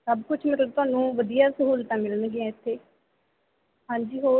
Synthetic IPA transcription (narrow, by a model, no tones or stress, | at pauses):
səbkʊt͡ʃʰmeːõt̪ʊaːnũːʋəd̪ijaːsəɦuːlt̪ãːmɪlənɡeɛ̃ːɪt̪ʰːeː | ɦãːɲd͡ʒiːɦoː